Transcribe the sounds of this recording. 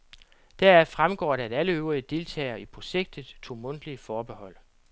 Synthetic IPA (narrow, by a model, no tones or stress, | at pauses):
d̥æɐæfʁamɡ̥ɒ̰ːɾæɾæləøʊʁiəd̥e̝lt͡sʰɛ̰ːɪɐipʰʁo̝ɕeɡ̥̚d̥ð̩ˠt͡sʰo̝̰ːmɔ̽n̰d̥əliəfɒːb̥e̝hɒ̽l̰